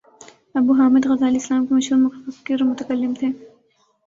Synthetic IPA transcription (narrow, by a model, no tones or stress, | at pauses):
ɐbuɦaːmɪd̪ɣɐzaːliɪslaːmkemɐʃɦuːɾmʊkiɾmʊt̪əkɐlːɪmt̪ʰeː